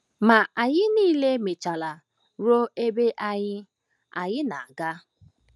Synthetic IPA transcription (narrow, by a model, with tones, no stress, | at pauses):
ma˨ʔa˨ɲɪ˦niː˦le˦me˨t͡ʃa˨la˨ | ɾo˦e˦be˦ʔa˦ɲɪ˦ | a˨ɲɪ˦na˨a˨ɡa˦